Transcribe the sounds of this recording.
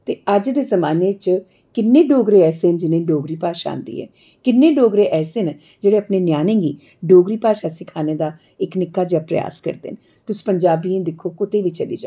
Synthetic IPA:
t̪eːəd͡ʒd̪eːzəmaːneːt͡ʃ | kɪnːẽːɖoːɡɾeːɛːseːnd͡ʒɪnẽːɖoːɡɾiːpaːʃa̰a̰ːnd̪ḭːɛ̰ː | kɪnːẽːɖoːɡɾeːʔɛːseːn | d͡ʒeːɽeːəpneːnjaːnẽːɡiː | ɖoːɡɾiːpaːʃaːsɪkʰaːneːd̪aː | ɪknɪkːaːd͡ʒaːpɾə̰ja̰ːskə̰ɾd̪ḛːn | t̪ʊsiːpəɲd͡ʒaːbiẽːd̪ɪkʰoːkʊt̪eːʋiːt͡ʃəlḭːd͡ʒaː

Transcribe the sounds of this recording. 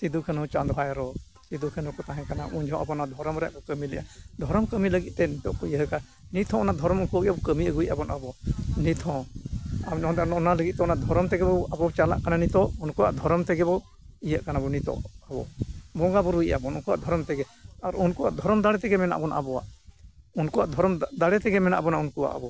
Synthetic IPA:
t̪id̪ukʰɛnɔt͡ʃand̪ɔɦajaɾɔ | t̪id̪ukʰɛnukɔt̪aɦɛ̃kanaʔuɲd͡ʒʱɔ̃ʔabɔnad̪ʱɔɾɔmɾɛa̰ʔkɔkəmilɛ̰ʔa̰d̪ʱɔɾɔmkəmiləɡit̪̚t̪ɛnit̪ɔʔkɔjəɦəka | nit̪ʰɔ̃ɔnaʔd̪ʱɔɾɔmunkɔəijabɔkəmiəɡujʔabɔnʔabɔnit̪ʰɔ̃ | ɔnaləɡit̪̚t̪ɛɔnaʔd̪ʱɔɾɔmt̪ɛɡɛbɔabɔɔt͡ʃala̰ʔkananit̪ɔʔunkuwa̰ʔd̪ʱɔɾɔmt̪ɛɡɛbɔ | ijəʔkanabɔnit̪ɔ̰ʔabɔ̰bɔɡabɔɾujʔa̰bɔnunkuwa̰ʔd̪ʱɔɾɔmt̪ɛɡɛ | aɾunkuwa̰ʔd̪ʱɔɾɔmd̪aɽɛt̪ɛɡɛmɛna̰ʔbɔnʔa̰bɔwa̰ʔunkuwaʔd̪ʱɔɾɔmd̪aɽɛt̪ɛɡɛmɛna̰ʔabɔnaunkuwa̰ʔa̰bɔ

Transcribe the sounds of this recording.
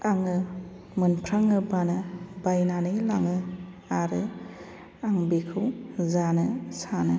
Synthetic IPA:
aŋɯ | mɯnpʰɾaŋɯbanɯbajnanɯjlaŋɯ | aɾɯ | aŋbikʰɯwzanɯsanɯ

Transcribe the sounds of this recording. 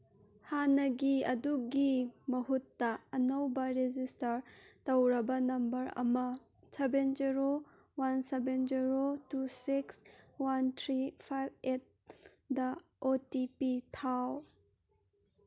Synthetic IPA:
hanɐɡiɐ̰duɡimɐɦutːɐɐnɐwbɐɾed͡ʒistɐɾtɐwɾɐbɐnɐmbɐɾɐ̰mɐ | sebend͡ʒiɾo | wansebend͡ʒiɾotusikswantʰɾipʰajbet̚ | dɐ | otipitʰaw

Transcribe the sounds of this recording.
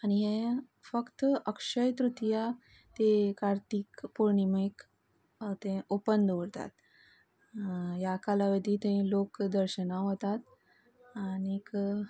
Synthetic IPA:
añiɦẽ | fəkt̪əkʂəjt̪ɾut̪ja | t̪ekaɾt̪iːkpoɾɳimek | t̪ẽopənd̪ɽt̪a̰t̪ | ɦjakalaʋed̪it̪ẽlokd̪əɾɕənaɦot̪at̪ | anik

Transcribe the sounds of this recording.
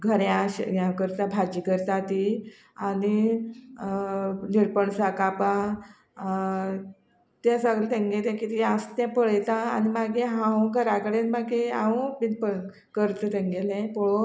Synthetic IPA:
ɡʱəɾjaɕjãkəɾt̪abʱad͡ʑikəɾt̪at̪i | ani | niɾpəɳsakapa | t̪ãsəɡɭet̪ẽŋɡet̪ɛ̃kit̪iast̪jɛ̃pəɭjt̪a̰ːñimaɡʱeɦãũɡʱəɾakəɽẽnmaɡeãuminpə | kəɾt̪ət̪ẽŋɡelẽpɔɭo

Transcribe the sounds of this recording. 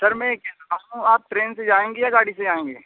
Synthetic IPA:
sɐɾmɛ̃kɛaũaːp̚ʈɾeːnsed͡ʒaːẽːŋɡejaɡaːɽised͡ʒaːẽːŋɡeː

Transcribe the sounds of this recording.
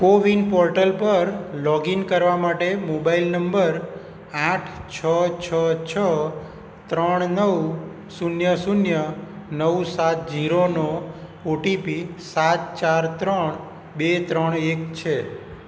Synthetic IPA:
koʋinpɔɾʈəlpəɾlɔɡinkəɾʋamaʈemobailnəmbəɾ | aʈʰt͡ʃʰət͡ʃʰət͡ʃʰə | t̪ɾəɳ̃nəw | sunjəsunjənəwsat̪̚d͡ʒiɾono | oʈipisat̪̚t͡ʃaɾt̪ɾəɳ | bet̪ɾəɳekt͡ʃʰe

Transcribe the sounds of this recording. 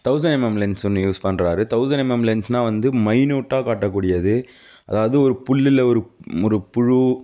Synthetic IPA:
t̪ɐʊsɐnɛmɛmlɐnsɔnːɯjuːspɐnːɾaːɾɯt̪ɐʊsɐnɛmɛmlɛnsnãːʋɐnd̪ɯmɐɪnuːʈːaːkaːʈːɐkːuːɽɪjɐðɯ | ʔɐðaːʋɐðɯɔɾɯpʊɭːɪlɐɔɾɯɔɾɯpʊɻu

